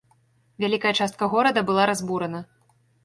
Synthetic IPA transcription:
vʲalʲikɐjɐt͡ʂast̪̚kɐɣɔɾɐd̪ɐbɨlˠaɾazbuɾɐnɐ

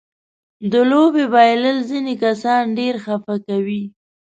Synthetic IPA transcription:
d̪əlobebɑjləlzinekasɑnɖeɾxafakawi

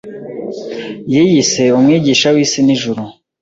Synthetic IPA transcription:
jiːjise̞umŋiːɟiːʃawiːsiniʒuɾu

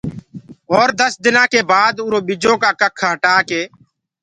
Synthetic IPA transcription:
ɔːɾd̪əsd̪ɪnãːkeːbaːd̪ʊːɾoːɓɪd͡ʒõːkaːkəkʰːaːɦəʈaːkeː

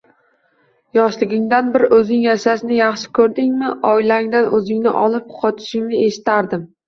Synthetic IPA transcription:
jɒʃlɪɡʲɪŋd̪anbɪɾɪʔɵzɪŋjaʃaʃɪnɪjɑχʃɪ̥kʰɵɾd̪ɪŋmɪʔɒjlaɪŋd̪anɵzɪŋnɪ̰ʔɒlˠɪp̚qʰɒt̪ʰɪ̥ʃɪŋnɪe̞ʃɪ̥t̪ʰaɾd̪ɪm

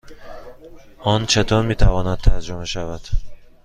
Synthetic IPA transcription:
ɒnt͡ʃʰat̪ʰɒnmet̪ʰavɒnad̪̚t̪ʰːaɾd͡ʒumaʃavad̪̥

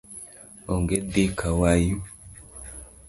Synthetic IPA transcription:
oŋɡedikʰawaju

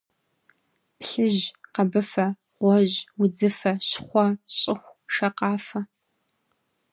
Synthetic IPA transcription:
pɬɨʑqɐbɨfɐ | ʁʷɔʑwʊd͡zɨfɐɕχʷɔɕʼɪxʷʂɐqɑːfɐ

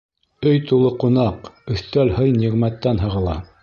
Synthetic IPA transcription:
ɵjt̪ulˠɤqunɑqɵ̆θt̪ælhɤjniʁmæt̪ːænɦɤ̆ʁɤ̆lˠɑ̰

